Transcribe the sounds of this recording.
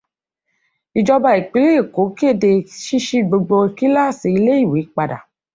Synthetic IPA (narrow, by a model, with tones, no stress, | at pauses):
i˨d͡ʒɔ˧ba˦˨e˨k͡pi˨˦le˦e˦˨ko˨˦ke˦˨de˧ʃi˦ʃi˦ɡ͡bo˧ɡ͡bo˧e˨ki˦la˦˨se˨i˧˦le˦i˦˨we˨˦k͡pa˧da̰˨